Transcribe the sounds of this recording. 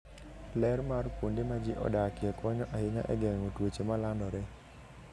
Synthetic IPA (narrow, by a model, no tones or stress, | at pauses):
lɛrmarpondemad͡ʒɪʔɔ̰dakɪɛkɔɲɔʔahɪɲa̰ʔɛ̰ɡɛŋŋotwot͡ʃemalandɔɾe